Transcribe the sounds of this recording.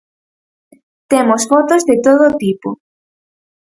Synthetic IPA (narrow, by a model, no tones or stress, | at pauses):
t̪emosfot̪ozðet̪oðot̪ipo̰